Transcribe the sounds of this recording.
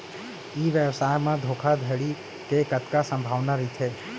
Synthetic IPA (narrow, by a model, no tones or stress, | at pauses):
iːʋjɛʋsajmãd̪ʱoːkʰad̪ʱeɭi | kekət̪kasə̃mbʱaːʋnaɾit̪ʰe